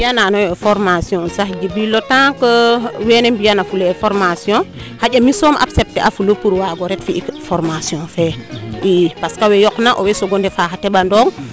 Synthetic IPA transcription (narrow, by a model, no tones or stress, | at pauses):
bijananojefoɾmasiõsahd͡ʒibilotãkəwenembijanafuleefoɾmasiõ | haɟʲamisomʔa̰psep̚teʔafulopuɾwaɡoɾetfikfoɾmasiõfeipaskawejoknaʔowesoɡondefaxateɓandoŋ